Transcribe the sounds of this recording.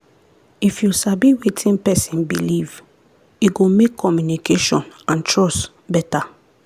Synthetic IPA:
ifjusabiwetʰĩnpɛsĩnbiliv | iɡomekʰːɔmjunikʰeʃɔ̃nãntʰɹɔs | bɛta

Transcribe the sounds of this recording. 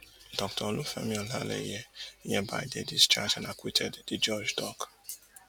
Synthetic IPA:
dɔktʰɔlʊfɛ̰mĩɔla̰lḛḭjeiɲeba̰ɪdedista̰t͡ʃanakʷwitʰɛdd̥id͡ʒɔd͡ʒdɔk

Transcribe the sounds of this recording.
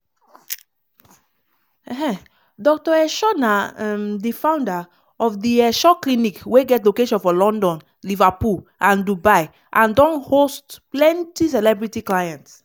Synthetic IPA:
ɛɦɛ̃ | dɔk̚tɔɛʃɔnaɛmdifãʊ̃nda | ɔfdiɛʃɔklinikweɡɛtlokeʃɔ̃nfɔlɔ̃ndɔ̃n | livapulʔãndubaɪ | ʔãndɔ̃nhostplɛ̃ntisɛlɛbɹitiklajɛ̃nts

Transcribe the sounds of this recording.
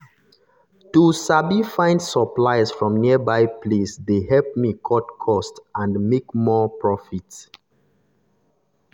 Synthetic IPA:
tusabifãɪ̃ndsəplaɪsfɹɔ̃mniəbaɪpʰlesdeɦɛlp̚mikʰɔtkʰɔstãndmekmɔpɹɔfit

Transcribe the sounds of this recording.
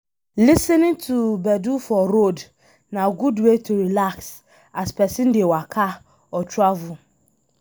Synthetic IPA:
lisɛ̃nɪ̃tʰubɛdufɔɾod | nãɡudwetʰuɾilaks | aspʰɛsɪ̃ndɪɛwakʰa | ɔt͡ʃʰuavʊ

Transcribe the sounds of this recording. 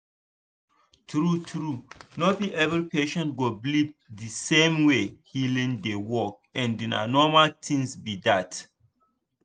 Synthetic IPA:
tɾutɾunobĩʔɛvɾipeʃɛ̃ntɡoblip̚disẽmwehilĩndewɔk̚ɛ̃ndina̰nɔmaltʰĩŋsbidat

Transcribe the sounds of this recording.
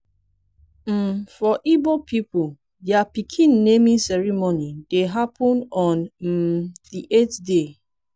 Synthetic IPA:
m̩fɔʔibopʰipul | dapikʰĩnːemĩnsɛɹimonideɦapʰɔ̃nɔ̃nm̩diʔetde

